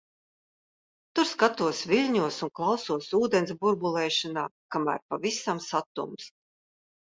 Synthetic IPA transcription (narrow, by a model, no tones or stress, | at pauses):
t̪uɾskat̪uɔsvʲilʲɲuɔsunklˠawsuɔsuːd̪ens̬buɾbulˠɛːʃanaːkamæ̰ːɾpavisamsat̪ṵms